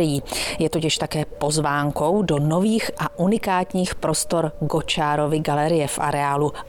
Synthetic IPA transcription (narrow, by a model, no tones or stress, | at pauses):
ɪjiːjɛt̪ocɪʃt̪akɛːpo̞zvaːŋko̞wdo̞no̞viːxʔaʔunɪkaːt̪ɲiːxpɾo̞st̪o̞ɾɡo̞t͡ʃaːɾo̞vɪɡalɛɾɪjɛfʔa̰ɾɛaːlu